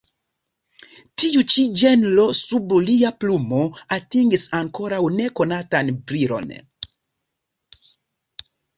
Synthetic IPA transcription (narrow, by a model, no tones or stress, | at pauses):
tiut͡ʃid͡ʒenlosubuliaplumoatiŋɡisaŋko̞ɾawne̞ko̞natanbɾiɾo̞̰n